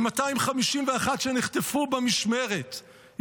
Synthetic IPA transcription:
mataimχamiʃimveaχat̪ʃeniχt̪efubemiʃmeʁet

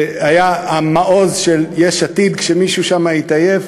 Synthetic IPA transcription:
ajaamaʔo̞zʃeljeʃat̪id̪kʃemiʃuʃamait̪ajev

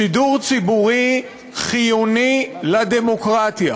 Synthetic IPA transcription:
iduʁt͡sibuʁi | χijunilad̪emokʁat̪ja̰

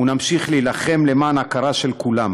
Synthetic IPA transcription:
unamʃiχlijlaχe̞mle̞maːnakaʁaʃe̞lkulam

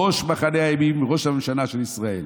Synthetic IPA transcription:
oʃbaχanejajamimʁo̞ʃamamʃanaʃelisʁae̞̰l

